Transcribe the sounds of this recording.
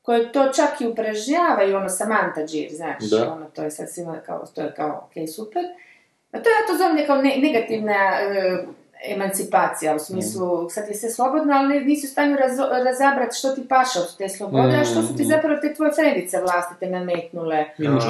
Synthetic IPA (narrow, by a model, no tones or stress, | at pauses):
ko̞jet̪o̞ːt͡ʃakiupɾaʒɲaːʋaio̞nosamant̪ad͡ʒḭːɾzna̰ːt͡ʃonot̪oːjesad̪simaka̰o̰t̪ojekaoo̰keːjsupeɾ | at̪oeat̪ozomɲekaonene̞ɡat̪iʋnaəː | emant̪sipaːt̪sijausmiːslˠusad̪jesʋeslˠo̞bo̞d̪noalneniːsiust̪aːɲuɾaɾazabɾat̪ʃt̪ot̪ipaʃaot̪u̥t̪eːslˠo̞bod̪eaʃt̪osu̥t̪izapɾaʋot̪et̪ʋo̞jet̪ɾend̪it̪seʋlˠaːst̪i̥t̪enameːt̪nule